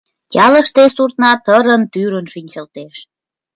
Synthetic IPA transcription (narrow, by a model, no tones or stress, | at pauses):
kɑlə̆ʃt̪esurt̪̚nɑt̪əɾənt̪yɾənʃinʲt͡ɕəlt̪eʃ